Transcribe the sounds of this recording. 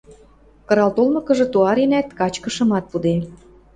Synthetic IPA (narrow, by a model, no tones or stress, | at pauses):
kɤ̆ɾɑlt̪olmɤ̆kɤ̆ʒɤ̆t̪uɑɾenæt̪kɑt͡ɕkə̆ʃɤ̆mɑt̪̚pud̪e